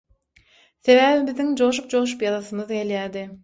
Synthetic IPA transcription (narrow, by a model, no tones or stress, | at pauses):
se̞væːvibiðiŋd͡ʒoʃ̬up̚d͡ʒoːʃ̬upjɑzɑsɯmɯðeljæːd̪ɪ